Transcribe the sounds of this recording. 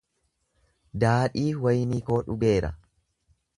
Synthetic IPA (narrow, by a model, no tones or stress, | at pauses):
d̪aːᶑiːwɐjniːko̞ːᶑʊɡe̞ːɾɐ̰